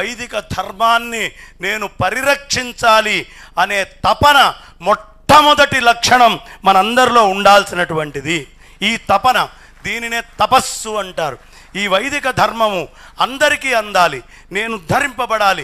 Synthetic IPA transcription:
ɐjd̪ʱikɐd̪ʱɐɾmaːnːine̞ːnupɐɾiɾɐkʂiɲt͡ʃaːli | ɐne̞ːt̪ɐpɐnɐ | mɔʈʈʰːɐmɔd̪ɐʈilɐkʂɐɳɐmːɐnɐmɐnd̪ɐɾilo̞ːuɳɖaːlsinɐʈuʋɐɳʈid̪i | iːt̪ɐpɐnɐ | d̪iːnine̞ːt̪ɐpɐsːuɐɳʈaːɾu | iːʋɐjd̪ʱikɐd̪ʱɐɾmɐmu | ɐnd̪ɐɾikiːɐnd̪aːli | ne̞ːnud̪ʱɐɾimpɐbɐɽaːli

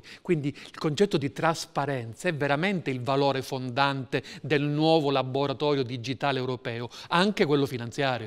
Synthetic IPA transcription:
kwind̪iilkont͡ʃɛt̪ːod̪it̪ɾaspaɾɛnt̪saɛvːeɾament̪eilvaloːɾefond̪ant̪ed̪elnwɔːvolaboɾat̪ɔːɾjod̪id͡ʒit̪aːleɛwɾopɛːoaŋkekwelːofinant̪sjaːɾjo

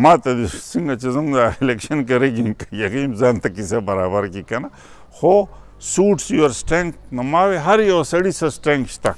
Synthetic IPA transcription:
mãːt̪ɐd̪siŋɡɐt͡ʃizɐŋzailekʃɐnkɐɾeɡinkɐjɐkiːmzaːnt̪ɐkisebɐɾaːbɐɾkikɐna | xo | suːʈsjuɐɾsʈɾeŋk̪nɐmaːʋeɦɐɾjosɐɽisɐsʈɾẽŋkt͡ʃt̪a̰

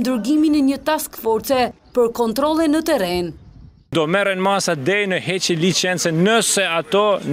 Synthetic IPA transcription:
nd̪əɾɡiminɛɲət̪askfɔɾt̪t͡sɛ | pəɾkɔnt̪ɾɔlˠɛnːət̪ɛɾɛn | d̪ɔmɛɾɛnmasad̪ɛjnəhɛt͡ʃɛlit͡ʃɛnt͡sɛnəsɛat̪ɔn

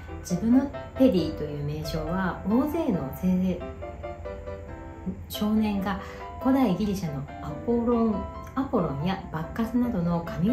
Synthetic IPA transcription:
d͡ʑibɯ̟̃nːo̞p̪e̞ɾʲiːt̪o̞jɯ̟ːme̞ːɕo̞ːβaoːze̞ːno̞se | ɕo̞ːnẽ̞ŋɡa | ko̞d̪aiɡʲiɾʲiɕano̞ | apɾ | apoɾõ̞ɲjabakːasɨnad̪o̞no̞kʰamʲi

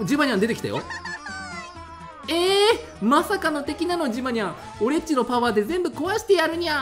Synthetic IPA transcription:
d͡ʑimaɲʲiãnd̪e̞t̪e̞kʲi̥t̪a̰jo̰ | eː | masakano̞t̪e̞kʲinano̞d͡ʑimaɲʲiã | o̞ɾe̞t͡ɕino̞paβaːd̪e̞zẽ̞mbɯ̟ko̞βaɕi̥t̪e̞jaɾɯ̟ɲ̟ia

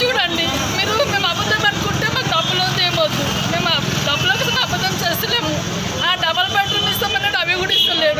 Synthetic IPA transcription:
t͡ʃuːɽɐɳɖi | miːɾume̞ːmɐbɐd̪ːɐmɐnukuɳʈeːmaːkud̪ɐbːulot̪eːmod̪u | me̞ːmd̪ɐbːuloːkit̪ɐnɐɐbɐd̪ːɐmt͡ʃeːst̪eleːmu | aːɖɐbɐlpeːʈlmisɐmɐnːeɽɐʋiɡuɽist̪ɐleːɽu

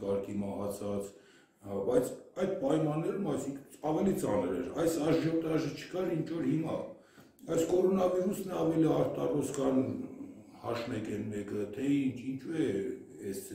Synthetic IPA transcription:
kɑɾkʰimɑhɑt͡sʰɑt͡s | bɑjt͡sʰɑjd̪̚pɑjmɑnːɛɾumɑjsiŋkʰɑvɛlit͡sɑnəɾɛ̰ɾɑjsɑʒʒɔt̪ɑʒət͡ʃʰə̥kɑɾint͡ʃʰɔɾhimɑ | bɑjt͡skɔɾɔnɑviɾusnɛɑvɛliɑɾt̪ɑrɔskʰɑn | hɑ̰ʃnɛkɛnmɛkət̪ʰɛint͡ʃʰint͡ʃʰuɛ | ɛs

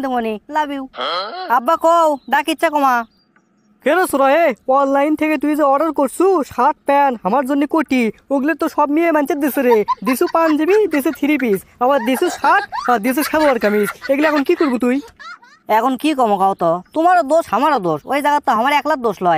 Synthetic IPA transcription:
d̪imonilabiwabːakɔwɖakitːʃʰakɔma | keɾosuɾɔjeɔnlajnt̪ʰeket̪ujzeɔɖaɾkoɾsuʃaʈ̚pɛnɦamaɾzonːekoʈioɡleɾt̪oʃɔbmiemant͡ɕet̚d̪eseɾed̪isupand͡ʑebid̪es̬et̪ʰiɾip̬is | abaɾd̪isusaʈ̚ʰaɾd̪is̬uʃʰɛloaɾkamiseɡleɛkʰɔnkikoɾbut̪uj | ɛkʰɔnkikɔmɔkawt̪ɔt̪umaɾɔd̪oʃhamaɾɔd̪oʃo̰jzaɡat̪ːaɦamaɾɛklat̪̚d̪oʃlɔj

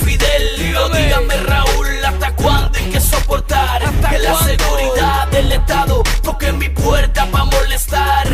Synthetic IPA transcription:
fiðel | oðiɣameraulast̪akwand̪oejkeso̞po̞ɾt̪aɾalaseɣuɾiðaðelest̪aðopoɾkemipweɾt̪aβamole̞st̪aɾ

